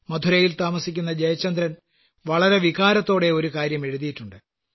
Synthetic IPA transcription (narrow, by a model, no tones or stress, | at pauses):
mɐd̪ʱuɾɐjilt̪aːmɐsikʲːunːɐd͡ʑɐjɐt͡ɕːɐnd̪ɾɐn | ʋɐɭɐɾe̞ʋiɣaːɾɐt̪ːo̞ːɽe̞o̞ɾukaːɾjɐme̞ɻuðijiʈːuɳɖɨ